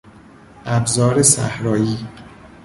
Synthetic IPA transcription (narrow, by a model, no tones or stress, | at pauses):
ʔæbzɒːɾesæ̰hɾɒːjiː